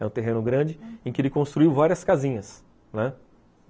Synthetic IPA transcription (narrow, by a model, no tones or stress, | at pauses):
ɛũt̪eɦẽnʊɡɾɐ̃d͡ʒɪẽkɪelɪkõst̪ɾuiwvaɾiɐskazĩɲɐs | nɛ